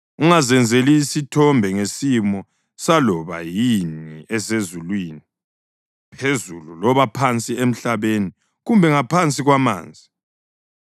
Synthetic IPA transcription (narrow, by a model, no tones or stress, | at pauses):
uŋazɛnd͡zʱeliːsitʰɔmbʱɛŋesimɔ | salɔβa̰jiniʔɛsezulwiːni | pʰezululɔβapʰant͡sʼiem̩ɬaβeni | ɣumbʱɛŋapʰant͡sʼiɣwama̰ːnd͡zʱi